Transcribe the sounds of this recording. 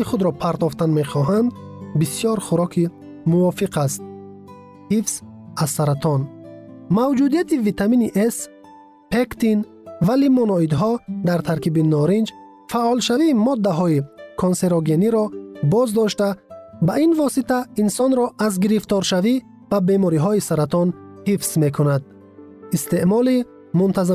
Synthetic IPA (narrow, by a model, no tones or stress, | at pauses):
iχud̪ɾɔpʰaɾt̪ɔft̪anme̞χɔɦand̪bisjɔɾχuɾɔkʰi | muɔfiqʰast̪̚ | hifz̥azːaɾat̪ʰɔnmawd͡ʒud̪ijat̪ivit̪ʰaminiʔes | pekt̪in | valimɔnɔid̪ɦɔd̪aɾt̪ʰaɾkibinɔɾind͡ʒ | faʔɔlʃaviːmɔd̪ːaɦɔikʰonse̞ɾɔɡe̞niɾɔbɔzd̪ɔʃt̪abainvɔsit̪ʰainsɔnɾɔʔazɡiɾift̪ɔɾʃavi | b̥abe̞mɔɾiɦɔisaɾat̪ɔnhifz̥me̞kʰunad̪ | ist̪e̞ʔmɔli | munt̪ʰaza